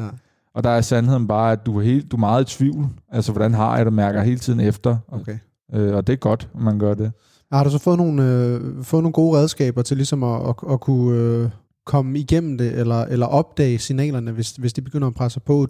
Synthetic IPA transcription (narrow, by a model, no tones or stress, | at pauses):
ɒ̽d̥ɑ̈æɐsænhe̝ð̞̰ˠn̩b̥ɑ̈ːæd̥uæɦe̝̰ːld̥umɑ̈ːð̩ˠit͡sʰʋiʊ̰lælsəʋɒd̥ænɦɑ̈jad̥ɑmæɐɡ̥ɐɦe̝ːlət͡sʰið̰ˠn̩efd̥ɐ | øɒ̽d̥e̝æɐɡ̥ɒ̽d̥mænɡ̥ɶɐ̰d̥e̝ | hɑɾusɒfɔ̽ːðˠno̝ːn̩øfɔ̽ðˠnoːnɡo̝ːʁɛð̞ˠsɡ̥ɛ̰ːb̥ɐt͡sʰe̝lisɒ̽mɒːkʰuø | kʰɒ̽məiɡ̥em̰m̩d̥e̝ʔelɐʔelɐʔɒ̽b̥̚d̥ɛ̰ːɪsinɛ̰ːlɐnəʋe̝sʋe̝sd̥ib̥eɡ̥øn̰ɐːpʰʁasəpʰɔ̽